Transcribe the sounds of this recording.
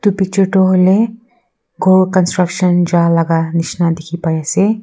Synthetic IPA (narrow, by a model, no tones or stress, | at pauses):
t̪upik̚t͡ʃəɾʈoɦle | ɡolkənsʈɾəkʃənd͡ʒalaɡaniʃnad̪ekʰipajase